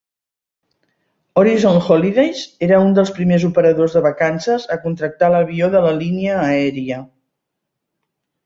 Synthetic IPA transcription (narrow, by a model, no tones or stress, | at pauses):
ɔɾizonxoliðejzeɾəund̪əlˠspɾimezupəɾəðozðəβəkansəzəkunt̪ɾək̚t̪aləβ̞ioðələliniəːɛɾiə